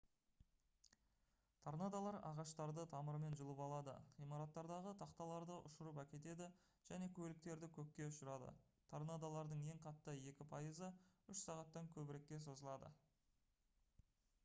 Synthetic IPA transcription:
t̪ʰɑɾnɑd̪ɑlˠɑɾɑ̰ʁɑʃt̪ɑɾd̪ət̪ʰɑməɾme̞nʒəlˠəpɑlˠɑd̪ə̰χijmɑɾɑt̪ːɑɾd̪ɑʁət̪ʰɑqt̪ɑlˠɑɾd̪əʔʊ̰ʃəɾəpækʲe̞t̪e̞d̪ɪ | ʒ̥æne̞kʲʰɵlɪk̚t̪e̞ɾd̪ɪkʲʰɵkʲkʲːe̞ʊʃəɾɑd̪ə̰t̪ʰaɾnɑd̪ɑlˠɑɾd̪əɴje̞ŋqʰɑt̪ːəje̞kʲɪpʰɑjəzəʏʃsɑʁɑt̪ːɑŋkʲʰɵbɪɾe̞kʲːe̞so̞zəlˠɑd̪ə̰

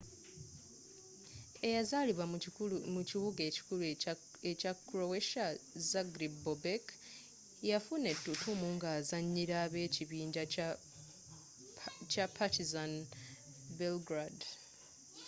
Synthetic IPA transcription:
e̞jazaliβamuciβuɡeci̥kul | ecakɾoweʃazaɡɾibobek | jafune̞tːutumuːŋɡaːzaɲːiɾaβe̞ːciβiːɲɟa | capʰatizan | belɡɾad

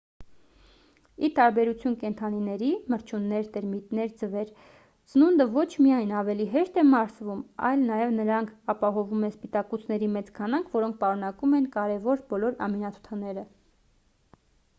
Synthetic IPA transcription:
it̪ɑɾbɛɾut͡sʰjunkɛnt̪ʰɑninɛɾiməɾt͡ʃʰunːɛɾt̪ɛɾmit̪nɛɾd͡zəvɛɾ | t͡sənund̪əvɔt͡ʃʰmiɑjnɑvɛliɦɛʃt̪ɛmɑɾsvumɑ̰jlnɑjɛvnəɾɑŋkʰɑpɑɦɔvumɛspit̪ɑkut͡sʰnɛɾimɛt͡skʰɑnɑŋkʰvɔɾɔŋk̚ʰpɑɾunɑkumɛnkɑɾɛvɔɾbɔlɔɾɑ̰minɑt̪ʰu̥t̪ʰɑnɛɾə

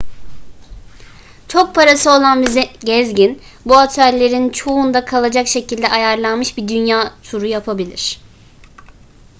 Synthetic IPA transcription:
t͡ʃʰo̞k̚pʰaɾasɯo̞lˠanbizɛɟɛzɟin | buat̪ʰœlʲːe̞ɾint͡ʃʰo̞und̪akʰalˠad͡ʒakʃe̞cilʲd̪ɛʔajaɾlˠanmɯʃbid̪ynjaːt̪ʰuɾujapʰabilʲḭɾ̝̥

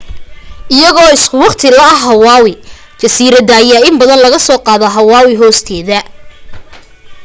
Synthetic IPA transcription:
ʔɪjɐɣɔːɪskʰʊwɑqt̪ʰɪlɐɐɦɐwɑːwɪ | t͡ʃɐsiːɾɐd̪aːjaːɪmbɐðɐnlɐɣɐsɔːqɑːðɔɦɐwɑːwɪɦɔːst̪ʰɛːðɐ

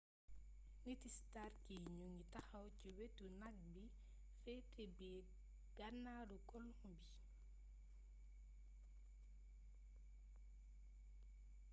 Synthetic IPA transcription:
ŋitistarkiɲuŋitaxɐwciwetunak̚bi | fɛtɛbɛ | ɡ̥anːaɾukɔlɔŋbi

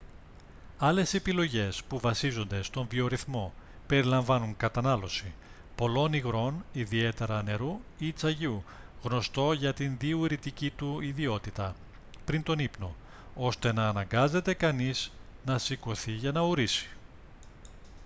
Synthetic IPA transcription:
ɐle̞se̞pilo̞ʝe̞spuvɐsizo̞nd̪e̞st̪o̞ɱvio̞ɾiθmo̞pe̞ɾilɐɱvɐnuŋkɐt̪ɐnɐlo̞si | po̞lo̞niɣɾo̞niðie̞t̪e̞ɾɐne̞ɾuit͡sɐʝiuɣno̞st̪o̞ʝɐt̪inðiuɾit̪icit̪uiðio̞t̪it̪ɐ | pɾint̪o̞nipno̞ | o̞st̪e̞nɐːnɐŋɡɐze̞t̪e̞kɐniznɐsiko̞θiʝɐnɐuɾisi̥

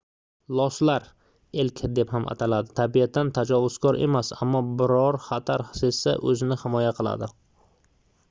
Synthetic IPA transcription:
lˠɒslaɾ | elkʲʰɪd̪e̞phamʔa̰t̪ʰalad̪ɪt̪ʰabiat̪ʰːant̪ʰad͡ʒɒvʊz̥kʰɒɾʔe̞̰masa̰mːɒbɪɾɒɾχat̪ʰaɾsesa̰ʔɵzɪnɪhɪmɒjaqʰɨlˠa̰d̪ɪ

